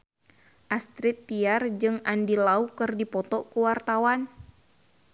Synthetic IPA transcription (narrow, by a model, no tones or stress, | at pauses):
ʔast̪ɾɪt̪ːiard͡ʒɨŋandilaukɨrdipɔt̪ɔkuwart̪awan